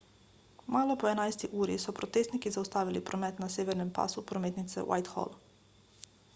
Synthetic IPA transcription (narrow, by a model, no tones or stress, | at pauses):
maːlopoenajst̪iʔuːɾisopɾot̪est̪nikizaust̪aːʋilipɾomet̪naseːʋeɾnempa̰supɾomet̪nit̪sḛwʔa̰jt̪xo̰l